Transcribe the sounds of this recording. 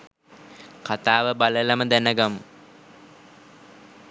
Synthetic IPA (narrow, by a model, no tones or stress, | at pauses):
kat̪aːʋəbaləlaməd̪ænəɡamu